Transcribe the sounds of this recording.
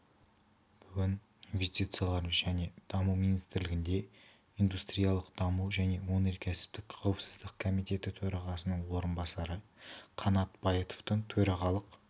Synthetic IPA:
b̥ʏɡʲɪn | invʲe̞st̪it̪sɨjalˠɑɾʒæne̞d̪̥ɑmuwmijnist̪ɪɾlɪɡʲɪnd̪e̞ | ijnd̪ust̪ɾijɑlˠəqd̪̥ɑməwʒæne̞wo̞neɾkʲʰæsɪ̥p̚t̪ɪkqʰɑwəpsəzd̪əq̚kʰo̞mijt̪e̞t̪ɪt̪ʰɵɾɑʁɑsənəɴwo̞ɾənbɑsɑɾəqʰɑnɑt̪b̥ɑjət̪o̥ft̪əɴt̪ʰɵɾɑʁɑlˠəq

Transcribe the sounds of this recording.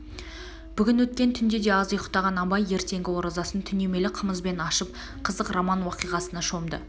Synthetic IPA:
b̥ʏɡʲɪnwɵt̪̚kʲe̞nt̪ʰʏnd̪e̞d̪e̞ɑzəjəqt̪ɑʁɑnɑbɑje̞ɾt̪e̞ŋɡʲɪwo̞ɾɑzɑsənt̪ʰʏne̞me̞lɪqʰəməzbe̞nɑʃəp̚ | qʰəzəqramɑnwɑqijʁɑsənɑʃo̞md̪ə̰

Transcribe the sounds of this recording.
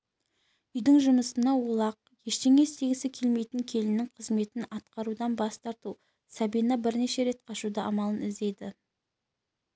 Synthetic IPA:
ʏjd̪ɪŋʒʊməsənɑwolˠɑq̚je̞ʃt̪e̞ŋe̞st̪ʰe̞ɡʲɪsɪkʲʰe̞lme̞jt̪ɪŋkʲʰe̞lɪnɪŋqʰəzme̞t̪ɪnɑt̪qɑɾud̪ɑnbɑst̪ɑɾt̪u | sɑbijnɑbɪɾne̞ʃe̞ɾe̞t̪̚qʰɑʃud̪ɑʔɑmɑlˠənɪzd̪e̞jd̪ɪ

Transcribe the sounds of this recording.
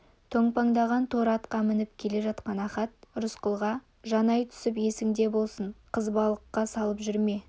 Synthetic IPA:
t̪ʰoɴpɑŋd̪ɑʁɑnt̪ʰo̞ɾɑt̪qɑmɪnɪpkʲʰe̞le̞ʒɑt̪qɑnɑχɑt̪̚ʊɾʊsqəlˠʁɑ | ʒɑnɑjt̪ʰʏ̥sɪpje̞sɪŋd̪e̞bo̞lˠsəɴqʰəzbɑlˠəqːɑsɑlˠəpʒʏɾme̞

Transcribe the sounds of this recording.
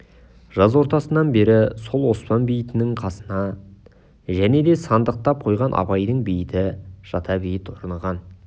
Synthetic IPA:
ʒ̥ɑzwo̞ɾt̪ɑsənɑnbe̞ɾɪso̞lˠwo̞spɑnbijɪt̪ɪnɪŋqʰɑsənɑ | ʒæne̞d̪e̞sɑnd̪əq̚t̪ɑp̚qʰo̞jʁɑnʔɑ̰bɑjd̪əɴbijɪt̪ɪʒ̥ɑt̪ʰɑbejɪt̪wo̞ɾnɑʁɑn

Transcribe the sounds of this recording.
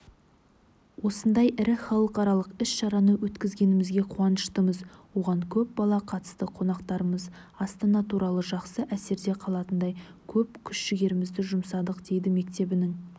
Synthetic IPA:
wo̞sənd̪ɑjʔɪɾɪχɑlˠəqɑɾɑlˠəqɪsʃɑɾɑnəwɵt̪kʲɪzɡʲe̞nɪmɪzɡʲe̞qʰuɑnəʃt̪əməzwo̞ʁɑŋkʲʰɵp̚bɑlˠɑqʰɑt̪ə̥st̪əqʰo̞nɑqt̪ɑɾəməz | ɑst̪ənɑt̪ʰuɾɑlˠəʒɑqsəʔæse̞ɾd̪e̞qʰɑlˠɑt̪ənd̪ɑjkʲʰɵpkʲʰʏʃʃɪɡʲe̞ɾɪmɪzd̪ɪʒʊmsɑd̪əqd̪̥e̞jd̪ɪme̞k̚t̪e̞bɪnɪŋ

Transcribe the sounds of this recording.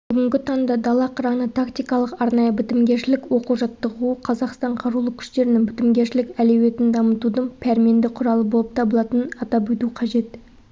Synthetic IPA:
bb̥ʏɡʲɪŋɡʲɪt̪ʰɑŋd̪ɑd̪ɑlˠɑqʰəɾɑnət̪ʰakt̪ijkɑlˠəqɑɾnɑjəbɪt̪ɪmɡʲe̞ɾʃɪlɪkwo̞quʒɑt̪ːəʁuqʰɑzɑqst̪ɑɴqʰɑɾulˠəkʲʰʏ̥ʃt̪e̞ɾɪnɪŋbɪt̪ɪmɡʲeɾʃɪlɪkʲæle̞we̞t̪ɪnd̪ɑmət̪ud̪əŋpʲʰæɾme̞nd̪ɪqʰʊɾɑlˠəbolˠəp̚t̪ʰɑbəlˠɑt̪ənɑt̪ɑpwɵt̪uqʰɑʒe̞t̪

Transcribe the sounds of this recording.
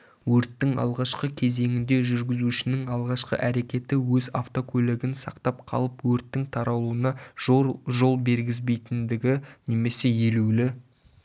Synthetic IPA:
wɵɾt̪ːɪŋɑ̰lˠʁɑʃqəkʲʰe̞ze̞ŋɪnd̪e̞ʒʏɾɡʲɪzuʃɪnɪŋɑlˠʁɑʃqə̰ʔæɾe̞kʲe̞t̪ɪwɵzaft̪o̞kʲʰɵleɡʲɪnsɑqt̪ɑp̚qʰɑ̰lˠəpwɵɾt̪ːɪŋt̪ʰɑɾɑlˠuənɑʒʒo̞lˠbe̞ɾɡʲɪzbe̞jt̪ɪnd̪ɪɡʲɪne̞me̞se̞jelulɪ

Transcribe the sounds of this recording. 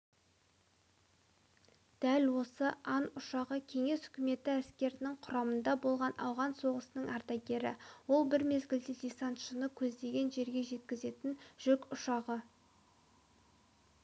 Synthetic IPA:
d̪̥ælwo̞səʔɑnʊʃɑʁəkʲʰe̞ŋe̞sʏkʲɪme̞t̪ɪæskʲe̞ɾɪnɪŋqʰʊɾɑmənd̪ɑbo̞lˠʁɑnʔɑ̰wʁɑnso̞ʁəsənəŋʔɑɾt̪ɑɡʲe̞ɾɪ̰wo̞lˠbɪɾme̞zɡʲɪld̪ɪd̪ʲisɑnt̪ʃənəkʲʰɵzd̪e̞ɡʲe̞nʒe̞ɾɡʲe̞ʒe̞t̪̚kʲɪze̞t̪ɪnʒ̥ʏkʲʊʃɑʁə

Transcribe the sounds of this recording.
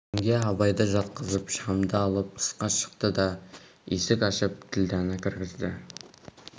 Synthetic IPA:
ŋɡʲeɑbɑjd̪əʒɑt̪̚qəzəpʃɑmd̪əɑlˠəp̚ə̥sqɑʃə̥q̚t̪əd̪ɑesɪkʲɑʃəp̚t̪ʰɪld̪ænɪkʲʰɪɾɡʲɪzd̪ɪ

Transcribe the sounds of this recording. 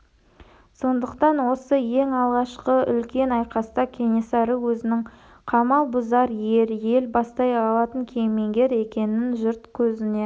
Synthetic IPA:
so̞nd̪əqt̪ɑnwo̞səje̞ŋɑlˠʁɑʃqəʏlkʲe̞nɑjqɑst̪ɑkʲʰe̞nʲesɑɾəwɵzɪnɪŋ | qʰɑmɑlˠbʊzɑɾje̞ɾje̞lbɑst̪ɑjɑlˠɑt̪əŋkʲʰejme̞ŋɡʲe̞ɾe̞kʲe̞nɪnʒʊɾt̪kʲʰɵzɪne̞

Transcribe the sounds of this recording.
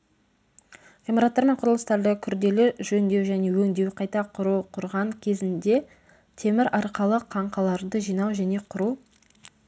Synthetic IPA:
v̥ʲemoɾat̪ːɑɾme̞ɴqʰʊɾəlˠəst̪ɑɾd̪əkʲʰʏɾd̪e̞lɪʒɵnd̪e̞wʒæne̞wɵŋd̪e̞wqʰɑjt̪ɑqʰʊɾuqʰʊɾʁɑŋkʲʰe̞zɪnd̪e̞ | t̪ʰe̞mɪɾɑɾqəlˠəqʰɑɴqɑlˠɑɾd̪əʒijnɑwʒæne̞qʰʊɾu

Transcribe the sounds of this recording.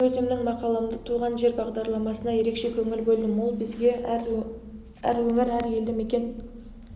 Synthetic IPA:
ɵzemnɪŋmɑqɑlˠəmd̪ət̪ʰuʁɑnʒe̞ɾbɑʁd̪ɑɾlˠɑmɑsənɑje̞ɾe̞kʃe̞kʲʰɵŋɪlbɵlˠd̪ɪmolˠbɪzɡʲe̞ | æ̰ɾwɵŋɪɾæɾje̞ld̪ɪme̞kʲe̞n

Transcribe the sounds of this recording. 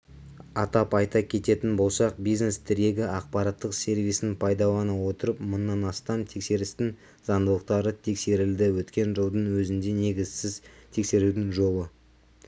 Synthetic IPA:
ɑt̪ɑpɑjt̪ɑkʲʰe̞t̪e̞t̪ɪnbo̞lˠsɑqbijzne̞st̪ʰɪɾe̞ɡʲɪʔɑq̚pɑɾɑt̪ːəqsʲe̞ɾvijsɪnpʰɑjd̪ɑw̪ˠɑnɑwo̞t̪əɾəpmənːɑnɑst̪ɑmt̪ʰe̞kse̞ɾɪst̪ɪŋ | zɑnd̪əlˠəq̚t̪ɑɾət̪ʰe̞kse̞ɾɪld̪ɪwɵt̪kʲe̞nʒəlˠd̪əŋwɵzɪnd̪e̞ne̞ɡʲɪz̥sɪzt̪ʰe̞kse̞ɾud̪ɪŋʒo̞lˠə

